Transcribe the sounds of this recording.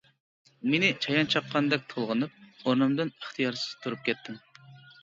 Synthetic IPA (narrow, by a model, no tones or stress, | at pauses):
menɪt͡ʃʰɑjɑnt͡ʃʰɑqʰːɑnd̪ɛk̚ʲt̪ʰolˠʁənɨp̚oɾnɨmd̪ɨnəχt̪ʰɨjɑɾsɨ̥z̥t̪ʰuɾup̚kʲɛt̪ʰːɪm